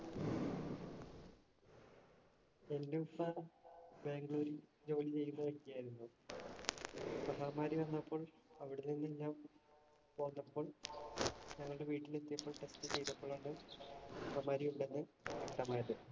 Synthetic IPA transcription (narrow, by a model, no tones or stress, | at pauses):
e̞nːulːɐbe̞ːŋɡɭuːɾi | d͡ʑo̞ːlit͡ɕe̞jːunːɐʋekːijaːjiɾunːu | pɐɦɐmaːɾjiʋɐnːɐpːo̞ːɭ | ɐʋiɽenːinːiɲːaːm | po̞ːnːɐpːo̞ːɭ | ɲɐŋːɐɭɨɽe̞ʋiːʈːilet̪ːijɐpːo̞ːɭʈe̞stɨt͡ɕejt̪ːɐpːoːɭɐaɳɖɨpɐɦɐmaːɾiuɳɖenːɨekt̪ɐmaːjɐðɨ